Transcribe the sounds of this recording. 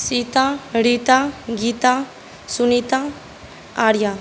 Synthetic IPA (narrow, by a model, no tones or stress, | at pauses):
sit̪aɾit̪aɡit̪a | sunit̪a | aɾja